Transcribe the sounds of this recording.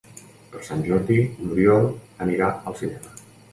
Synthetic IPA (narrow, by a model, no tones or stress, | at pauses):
pəɾsanʲʒɔɾðinuɾjɔlˠəniɾaəlˠsinɛmə